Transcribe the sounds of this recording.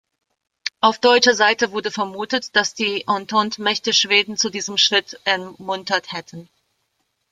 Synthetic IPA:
ʔaʊfd̥ɔʏt͡ʃɐzaɪtəvʊɐdəfɛɐmuːtətd̥asd̥iːʔɔntʰɔntmɛçtəʃv̥eːdn̩t͡sudiːzəmʃʁ̥ɪtʔɛɐmʊntɐthɛtʰn̩

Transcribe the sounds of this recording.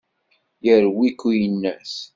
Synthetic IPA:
jəɾwikːujənːæs

